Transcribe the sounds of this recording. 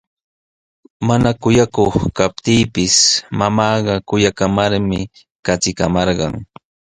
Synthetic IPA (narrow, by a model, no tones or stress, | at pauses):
manakʊjakoχkap̚t̪iːpɪsmamɑːɢɑkʊjakamaɾmɪ | kat͡sɪkamɑɾɢɑ̰ŋ